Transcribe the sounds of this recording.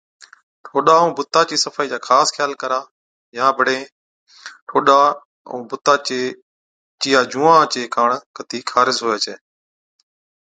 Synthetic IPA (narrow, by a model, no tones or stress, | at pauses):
ʈʰoːɗaːũːbʊt̪ːaːt͡ʃiːsəfaːiːd͡ʒaːxʰaːskʰjaːlkəɾaː | jãːbʱəɽẽː | ʈʰoːɗaː | ũːbʊt̪aːeː | t͡ʃiːjaːd͡ʒũːãːt͡ʃeːkʰaːɳkət̪iːkʰaːɾɪzɦoːjaːt͡ʃeː